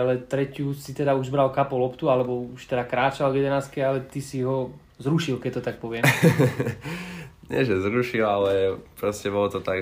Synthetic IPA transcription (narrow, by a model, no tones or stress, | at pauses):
alɛt̪ɾɛcjusit̪ɛd̪auʒbɾalkapɔlɔpt̪ualɛbɔuʃt̪ɛd̪akɾaːt͡ʃalɡɛd̪ɛnaːst̪̚kɛalɛt̪isiɦɔ | zɾuʃilkɛc̚t̪ɔt̪ak̚pɔʋɪɛ | ɲɪɛ̰ʒɛzɾuʃilalɛpɾɔscɛbɔlɔt̪ɔt̪aɡ